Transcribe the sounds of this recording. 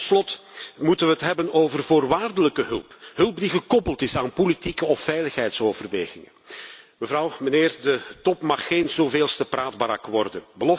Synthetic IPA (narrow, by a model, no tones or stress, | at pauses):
ttslɔtmutənʋəɦətɦɛbənoːvərvoːrʋaːrdələkəɦɵlˠpɦɵlˠp̚diɣəkɔpəlˠtɪsaːnpolitikəɔfːɛjləxɦɛjtsoːvərʋeːɣɪŋə | məvɾɑwməneːrdətɔpmɑxːenzoːveːlˠstəpraːd̚baɾɑ̰kʋɔrdənbəlɔ